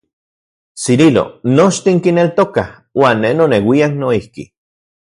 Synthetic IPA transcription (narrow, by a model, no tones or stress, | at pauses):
siɾilo̰not͡ʃt̪iŋkinelt̪okah | waːnːenonewiaknoihkḭ